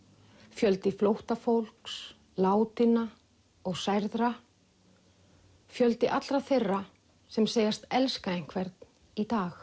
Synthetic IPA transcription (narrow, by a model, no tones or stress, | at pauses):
fjœlt̪ɪflowht̪afowl̥ks | laːwt̪ɪna | ɔɣsajɾðɾa | fjœlt̪ɪʔat̪lɾaθerːa | sɛmseːjast̪ɛlskaeŋ̥kʰvɛɾt̪n | it̪aːx